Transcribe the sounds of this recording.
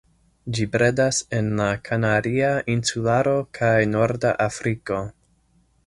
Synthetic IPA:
d͡ʒipɾe̞dase̞nlakʰanadiaʔinsulaɾo̞kʰajno̞ɾdaʔafɾiko̞

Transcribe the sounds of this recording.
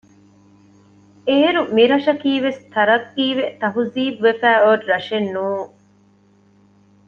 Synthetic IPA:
eːɾumiɾɐʃɐkiːʋest̪ʰɐɾɐt̪ːiːʋet̪ɐɦuziːbʋefæːoɾɾɐʃenːuːŋ

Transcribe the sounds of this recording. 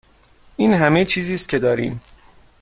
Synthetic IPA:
iːnɦæmet͡ʃʰiːziːst̪̚cʰe̞d̪ɒːɾiːm

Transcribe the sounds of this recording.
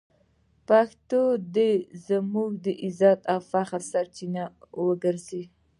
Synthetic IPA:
paxt̪od̪ezəmuɡ̚d̪əʔizɑt̪awfaxɾsaɾt͡ʃinawəɡəɾze

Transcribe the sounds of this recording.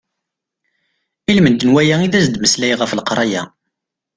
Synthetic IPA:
ilmənd̪ənwæjæiðæzd̪məslæjʁəflqɾˤɑjæ̰

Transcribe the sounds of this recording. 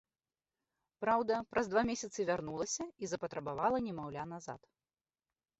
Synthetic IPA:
pɾawd̪ɐpɾɐzd̪vamʲesʲɐt̪sɨvʲarnulˠɐsʲɐizɐpɐt̪ɾɐbavalˠɐnʲɛmawlʲanaza̰t̪

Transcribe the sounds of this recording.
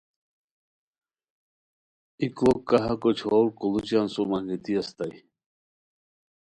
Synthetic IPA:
iklokaɦakot͡ʃʰolkulut͡ʃansumaŋɡit̪iast̪aj

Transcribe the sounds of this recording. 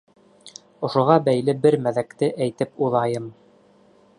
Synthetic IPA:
ŏʃŏʁɑbæjlɘbɘɾmæðækt̪ɘʔæjt̪ɘp̚uðˠɑjɤm

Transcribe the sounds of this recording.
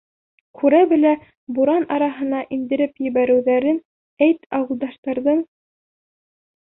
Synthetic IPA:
kʰʉɾæbɘ̆læ | buɾɑnɑɾɑɦɤ̆nɑʔind̪ɘ̆ɾɘpjɘ̆βæɾɘ̆wðæɾɘn | æjt̪ɑwɤ̆lˠd̪ɑʃt̪ɑɾðɤɴ

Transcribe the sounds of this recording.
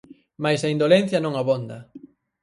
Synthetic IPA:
majsɐind̪olen̟θjɐnõŋaβond̪ɐ

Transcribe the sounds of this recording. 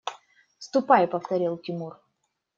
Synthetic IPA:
fst̪ʊpajɪpəft̪ɐɾʲilˠkʲɪmur

